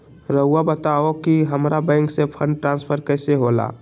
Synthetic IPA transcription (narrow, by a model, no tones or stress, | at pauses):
ɾəɦuabət̪aokiɦəmɾabɛ̃ŋksẽpʰə̃ɳɖ̚ʈɾãnspʰəɾkəjseɦola̰